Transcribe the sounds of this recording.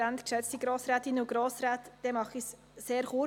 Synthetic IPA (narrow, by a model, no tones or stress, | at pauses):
æntkʃɛt͡stiɡɾoːsɾæːtɪnəuɡ̥ɾoːsɾæːtd̥ɛmɑχis | seːɾχu